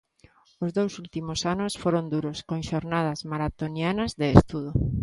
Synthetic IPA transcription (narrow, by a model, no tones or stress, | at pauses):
ʊzðowsult̪imʊsanʊsfoɾond̪uɾoskõŋʃoɾnað̞azmaɾat̪onjanɐzðeːst̪uð̞o